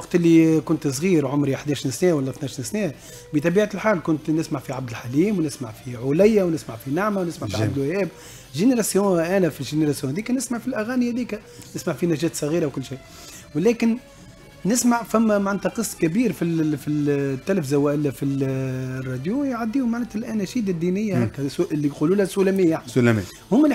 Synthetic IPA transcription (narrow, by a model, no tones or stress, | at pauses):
ɑqt̪ʔɪlːikʊnt̪s̬ˤɣiːɾʕʊmɾiħd̪æːʃinsnɛːwælːɛθnæʃnsnɛː | bət̪ˤɑbiːʕalħaːlkʊnt̪nɪsmaʕfiʕab̚d̪əlħaliːmwnɪsmaʕfiʕʊlɪjːawnɪsmaʕfinaʕmawnɪsmaʕffiad̪əlwhɛːb | lʒeneɾˤɑsjõːʔæːnæfilʒeneɾˤɑsjõːhɛd̪iːkænɪsmaʕfilʔæɣæːnihæd̪iːkæ | nɪsmaʕfinæʒɛːt̪sˤɑɣiːɾawkʊlːʃiː | wlɛːkɪn | nɪsmaʕfæmːamaʕnæt̪æqɨsˤːkæbiːɾfifit̪ːælæfzawæʔɪlːæfi | rːˤɑd̪jujʕad̪ːiːhʊmaʕnæːt̪ɪlʔænæʃiːd̪ad̪ːiːnɪjːahækːæɪlːiquːluːlhæsulæmiːjaʕni | hʊmːæl